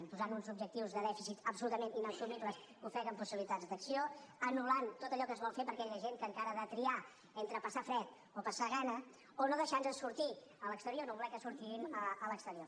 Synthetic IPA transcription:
mpuzanunzubʒək̚t̪iwzðəðɛfisit̪əpsulut̪əmeninəsumibləskufɛɣəmpusiβilit̪ad͡zd̪əksioənulant̪ot̪əʎɔkəzβɔlˠfepəɾkɛʎəʒeŋkəŋkaɾəðət̪ɾia | ent̪ɾəpəsafɾɛt̪ | opəsaɣanə | onoðəʃanəsuɾt̪i | ələkst̪əɾioɾnoβulɛkəsuɾt̪iɣiməələkst̪əɾio

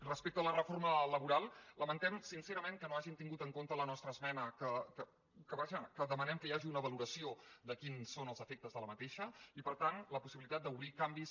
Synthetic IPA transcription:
rəspek̚t̪ələrəformələβuɾalˠləmənt̪ɛmsinseɾəmeŋkənoaʒint̪iŋɡut̪əŋkont̪ələnɔst̪ɾəːzmɛnəkəkə | kəβaʒəkəðəmənɛmkəiaʒiunəβəluɾəsiod̪əkinsonəlˠzəfek̚t̪əzðələmət̪eʃəipəɾt̪anləpusiβilit̪at̪̚d̪əuβɾikambis

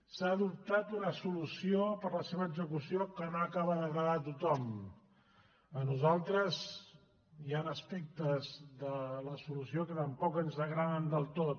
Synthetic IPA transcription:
saːðup̚t̪at̪unəsulusiopəɾləseβəːɡzəkusiokənoəkaβəðəɣɾəðat̪ut̪ɔm | ənuzalˠt̪ɾəz | ianəspɛk̚t̪əzðələsulusiokət̪əmpɔkənzəɣɾaðənd̪əlˠt̪ot̪̚

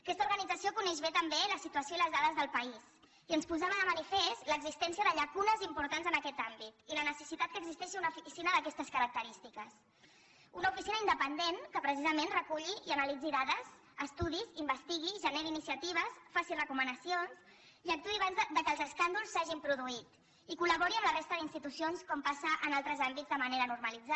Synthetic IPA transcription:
kɛst̪uɾɣənid͡zəsiokunɛʒβet̪əmbeləsit̪uəsjoiləzðaðəzðəlˠpəis | iənspuzaβəðəmənifest̪ləɡzist̪ɛnsiəðəʎəkunəzimpuɾt̪anzənəkɛt̪ambit̪ilənəsəsit̪at̪̚kəɡzist̪ɛʃiunəufisinəðəkɛst̪əskəɾək̚t̪əɾist̪ikəs | unəufisinəind̪əpənd̪enkəpɾəs̬izəmenrəkuʎiiənəlid͡ziðaðəz | əst̪uðizimbəst̪iɣ̞iʒəneɾiːnisjət̪iβ̞əsfasirəkumənəsions | iək̚t̪uiaβanzd̪əkəːlzəskand̪ulˠsːaʒimpɾuðuit̪ | ikuləβoɾiəmlərest̪əðinst̪it̪usionskɔmpasəʔənalˠt̪ɾəzambid͡zzd̪əməneɾənuɾməlid͡za

